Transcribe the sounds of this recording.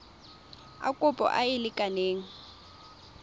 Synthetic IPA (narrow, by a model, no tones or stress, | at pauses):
a̰kʼʊpʼɔ̰ʔaɪlɪkʼaneːŋ̩